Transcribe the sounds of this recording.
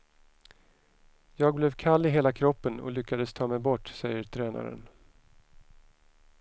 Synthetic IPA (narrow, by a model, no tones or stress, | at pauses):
jɑːɡ̚blɛvkʰalːɪɦeːlakʰɾɔpːənɔ̰lʏkːad̪əst̪ʰɑːmɛjbɔʈːsɛjəɾʈ̪ʰɾɛːna̰ɾə̰n